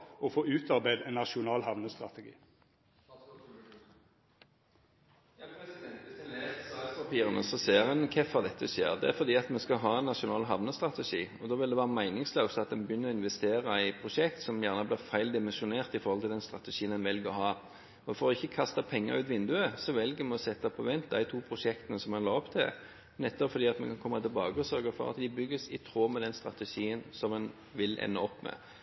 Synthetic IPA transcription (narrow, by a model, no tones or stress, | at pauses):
ɔfoːʉːt̪ʰɑɾbæɪd̪ɛnːɑʃʊnɑːlhɑʋnəst̪ɾɑt̪əɡḭː | pɑt̪ʰiːʁənə̰sɔseːʁɛnkʰɛfɑʁd̪ɛt̪ːəʉseːəʁd̪ɛæʁfɔd̪iːɑt̪mɛskɑɦɑːɛnːɑʃʊnɑːlɦɑʋnəst̪ɾɑt̪əʃiːɔd̪oːʋɪld̪ɛʋæːʁəmæɪnɪŋsləʉst̪ɑt̪̚d̪ɛnbjʏnːəɾɔɪnʋɛst̪eːɾɑæɪpʰʁʊʂɛkt̪sɔmjæʁnəblɪʁfæɪld̪ɪmɛnsʊneːʁt̪ɪfɔɾhɔlt̪ɪld̪ɛnst̪ʁɑt̪əʃiːənɛnʋɛlɡəɾɔhɑː | ɔfɔɾɔɪçːəkʰɑst̪ɑpʰɛŋːɑ̰ʁʉːt̪ʋɪnd̪ʉəsɔʋɛlɡəmɛɔsɛt̪ːɑpʰɔʋɛnt̪̚d̪æɪt̪ʰuːpʰʁʊʂɛkt̪ənəsɔmɛnlɑːɔpt̪ʰɪ | nɛt̪ːəfɔd̪iːɑt̪mɛ̰kʰɑnkʰɔmːɑt̪ʰɪlbɑːɡəɔsœɾɡəfɔ̰ʁɑ̰t̪d̪ɪbʏɡːəsɪt̪ʰʁoːmɛd̪ɛnst̪ɾɑ̰t̪ɛʂiːənsɔmɛn | ʋɪlʔɛ̰nːəɔpːmɛ̰